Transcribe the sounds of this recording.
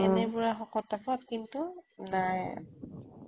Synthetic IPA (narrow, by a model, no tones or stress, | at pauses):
ɛnɛbuɹaxɔkɔtapɔtkintunaj